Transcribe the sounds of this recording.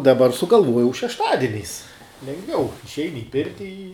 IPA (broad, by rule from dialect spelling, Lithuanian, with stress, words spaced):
dɐˈbɐr sʊɡɐlˠˈʋuɔjɛʊ ʃʲɛʃˈtɑːdʲiɛnʲɛɪs lʲɛŋɡˈʋʲɛʊ ɪʃʲˈɛɪnʲɪ ɪ ˈpʲɪrʲtʲɪ ɪ